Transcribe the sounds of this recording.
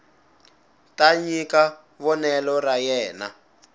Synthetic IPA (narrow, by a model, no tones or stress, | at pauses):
taɲika | βɔnɛlɔrajɛːna